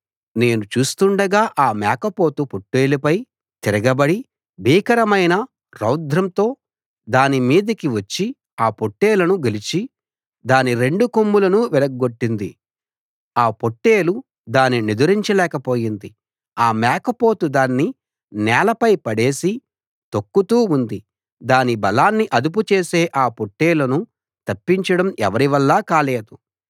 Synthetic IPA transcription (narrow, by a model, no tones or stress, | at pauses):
ne̞ːnut͡ʃuːst̪uɳɖɐɡaːʔaːmaːkɐpo̞ːt̪upoʈːe̞ːlupɐj | t̪iɾɐɡɐbɐɽi | bʱiːkɐɾɐmɐjnɐ | ɾɐwd̪ʱɾɐmt̪o̞ː | d̪aːnimiːd̪ɐkiʋɐt͡ʃːi | aːpoʈːe̞ːlɐnuɡelit͡ʃi | d̪aːniɾe̞ɳɖukomːulɐnuʋɛlɐɡɡoʈːind̪i | aːpo̞ʈːe̞ːlu | d̪aːnːinid̪uɾiɲt͡ʃɐlɛːkɐpo̞ːjind̪i | aːmɛːkɐpo̞ːt̪ud̪aːnːi | nɛːlɐpɐjpɐɽe̞ːsi | t̪okːut̪uːund̪i | d̪aːnibɐlaːnːiʔɐd̪up̬ut͡ʃe̞ːse̞ːʔaːpoʈːeːlɐnu | t̪ɐpːiɲt͡ʃɐɽɐmɛʋɐɾiʋɐlːaːkaːleːd̪u